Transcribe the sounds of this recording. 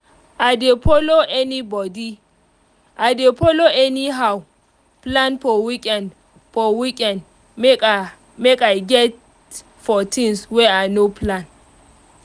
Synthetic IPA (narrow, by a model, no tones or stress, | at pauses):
ʔadepʰoloɛnibɔdi | ʔadepɔloɛniɦaw | plãnfɔwikʼɛ̃nd | fɔwikʼɛ̃nd | mekajɡɛt̚ | fɔtʰĩŋswɛanoplãn